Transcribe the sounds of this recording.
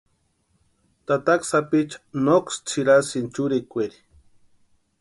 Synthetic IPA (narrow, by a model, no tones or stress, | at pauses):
t̪at̪aksapit͡ʃḁnokst͡sʰiɾasint͡ʃuɾikʷeɾi̥